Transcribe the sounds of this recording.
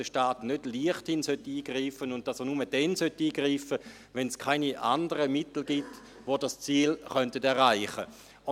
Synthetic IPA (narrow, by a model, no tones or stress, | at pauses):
əʃtaːtnødliəχthɪnsøtiːɡ̥ʁiːfənʊnt̚d̥ɑsənuməd̥ɛnsœtːiːɡ̥ʁiːfə | vɛnskʰaɪniʔandəʁəmɪtl̩ɡit | vodast͡siːlχœntətɛʁaɪχə